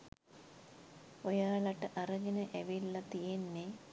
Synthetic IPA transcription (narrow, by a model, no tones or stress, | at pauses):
ojaːɭɐʈːɐʔɐrɐɡinɐʔeʋilːɐt̪ijenːe